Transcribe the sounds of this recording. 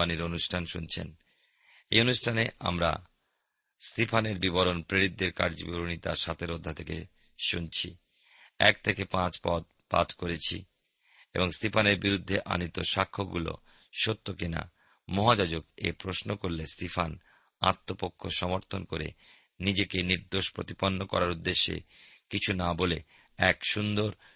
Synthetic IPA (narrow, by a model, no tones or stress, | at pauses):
aniɾonuʃʈʰanʃunt͡ɕʰḛn | ejonuʃʈʰanea̰mɾa̰ | st̪ipʰaneɾbibɔɾonpɾeɾid̪ːeɾkaɾd͡ʑibuɾonit̪aʃat̪ʰeɾod̪ʱːat̪ʰekḛ | ʃunt͡ɕʰḭ | ɛ̰kt̪ʰekepãt͡ɕpɔt̪ | pa̰t̪koɾet͡ɕʰḭ | eboŋst̪ipʰaneɾbiɾud̪ʱːeʔa̰nit̪oʃakʰːoɡṵlo̰ | ʃot̪ːokina̰ | mɔɦad͡ʑad͡ʑokḛpɾosnokoɾlest̪ifʰan | a̰t̪ːopokʰːoʃɔmoɾt̪ʰonkoɾḛ | nid͡ʑekeniɾd̪oʃpɾot̪iponːokɔ̰ɾaɾud̪ːeʃːḛkit͡ɕʰunabole | ɛkʃund̪oɾ